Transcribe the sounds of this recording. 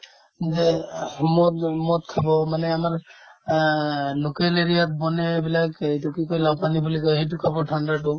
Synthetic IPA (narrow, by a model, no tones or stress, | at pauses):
zɛmɔtmɔt̪̚kʰibɔmanɛamaɹ | nukeleɹijat̪̚bɔnɛbilakejtukikojlapanibulikɔjɦet̬ukʰabɔʈʰandaʈʊ